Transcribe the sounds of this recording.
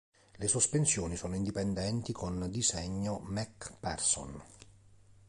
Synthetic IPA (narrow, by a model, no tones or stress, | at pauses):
lesospensjoːnisɔːnoind̪ipɛnd̪ɛnt̪ikʰond̪izɛɲːomɛkpɛrso̰n